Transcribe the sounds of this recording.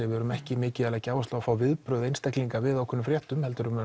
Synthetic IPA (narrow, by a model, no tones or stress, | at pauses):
ɛvɛɾʏmɛhcɪmɪːcɪalajcːaːwast̪aafaːwvɪðpɾœðejnst̪ɛhkliŋkavɪðawkʰʏnːʏmfɾjɛht̪ʏmhɛlt̪ʏɾʏm